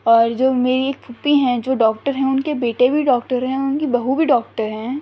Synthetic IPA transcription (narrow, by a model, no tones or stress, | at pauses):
ɔːɾd͡ʒoːmeːɾieːk̚pʰupiɦɛ̃d͡ʒoːɖɔːkʈəɾɦɛ̃ʊnkebeːʈebʱiɖɔːkʈəɾɦɛ̃ʊnkibɐɦubʱiɖɔːk̚ʈəɾɦɛ̃ː